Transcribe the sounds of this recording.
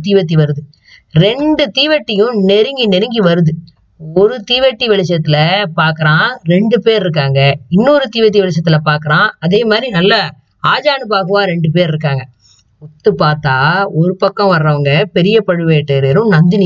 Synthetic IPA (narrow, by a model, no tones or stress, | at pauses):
t̪iːʋɐt̪̬ːiʋɐɾɯðɯ | ɾɛɳɖɯt̪iːʋɐʈːɪjʊ̃nɛɾɯŋɡinɛɾɯŋɡiʋɐɾɯðɯ | ɔɾɯt̪iːʋɐʈːiʋɪɭɐt͡ʃːɐt̪ːɪlɐpaːɾkɐɾãːɾɛɳɖɯpeːɾɾɯk̬ːaːŋɡɐɪnːuːɾɯt̪iːʋɐʈ̪ːiʋɪɭɐt͡ʃ̬ːɐt̪ːɪlɐpaːɾkɯɾãːɐðeːmaːd̪ɾinɐlːɐ | aːd͡ʒaːnɯpaːɣɯʋãːɾɛɳɖɯp̬eːɾɪɾɯkːaːŋɡɐ | ɔt̪ːɯpaːɾt̪aːɔɾɯpɐkːɐ̃ʋɐɾɾɐʋɐŋɡɐpɛɾɪjɐpɐɻɯʋeːʈːeɾeɾɯ̃nɐnd̪ɪnɪ